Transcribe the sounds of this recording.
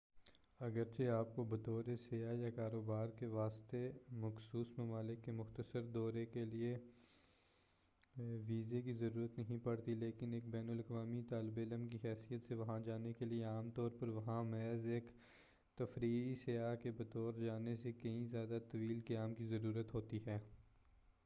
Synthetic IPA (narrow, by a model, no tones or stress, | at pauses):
ɐɡəɾt͡ʃeaːp̚kobɐt̪ɔːɾesejajakaːɾoːbaːɾkeʋaːst̪emɐxsuːsmɐmaːlɪkːemʊxt̪əsəɾd̪ɔːɾekelie | ʋiːzekizɐɾuːɾət̪nɐɦĩpɐɽt̪ileːkɪneːk̚bɛːnəlɐkʋaːmit̪aːlɪbeːləmkiɦɛːsijət̪seʋɐɦãd͡ʒaːnekelieaːmt̪ɔːɾpɐɾʋɐɦãmɛːzeːk | t̪ɐfɾiːisejaːkebɐt̪ɔːɾd͡ʒaːnesekɐĩzjaːd̪at̪ɐʋiːlkɐjaːmkizɐɾuːɾət̪ɦoːt̪iɦɛː